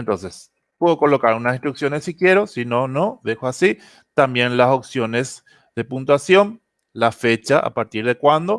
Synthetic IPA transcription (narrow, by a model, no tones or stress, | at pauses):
ent̪õ̞nse̞s | peðokolo̞kaɾunasĩnst̪ɾuksjo̞nesːikje̞ɾo̞sinonõðexoasi | t̪ambje̞nlasoksjo̞nes | ðe̞punt̪wasjo̞n | lafe̞t͡ʃaʔa̰paɾt̪iɾðe̞kwand̪o̞